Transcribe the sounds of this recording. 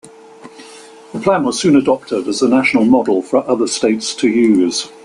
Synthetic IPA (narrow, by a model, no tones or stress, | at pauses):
ðəpʰl̥ãnwɒz̥sʉ̃ːnədɒp̚tʰɪdəzənaʃənəlˠmɒdˡəl̩ˠfəɹʔʌðəsteɪtstʰəjʉːz̥